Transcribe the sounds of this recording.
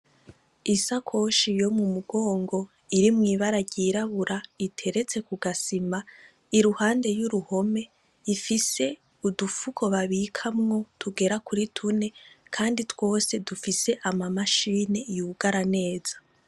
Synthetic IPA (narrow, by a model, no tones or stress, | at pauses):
isakʰo̞ʃijo̞mumuɡo̞ːŋɡo̞ | iɾimŋiːβaɾaɟiːɾaβuɾaitʰe̞ɾe̞t͡se̞kuɡasima | iɾuhaːnde̞juɾuho̞me̞ | ifise̞ | udufukʰo̞βaβikʰamŋo̞tʰuɡe̞ɾakuɾitʰune̞kʰaːnditwo̞ːse̞dufise̞ʔamamaʃiːne̞ijuɡaɾane̞ːz̥ḁ